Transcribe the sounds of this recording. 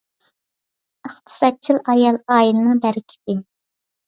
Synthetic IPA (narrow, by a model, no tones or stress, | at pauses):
əχt̪ʰɨ̥sɑt̪̚t͡ʃʰilˠɑjɑlˠɑːjinɨnɨŋbæɾɪkʲʰi̥d̪ɪ